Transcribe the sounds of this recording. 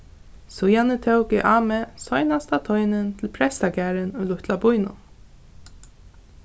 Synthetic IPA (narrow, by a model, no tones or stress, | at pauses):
sujanɪt̪ʰɛwkɪʔaːmɛsɔjnast̪at̪ʰɔjnɪnt̪ʰɪlpʰɾɛst̪akæːɾɪnʊjlʊht̪labʊjnʊ̰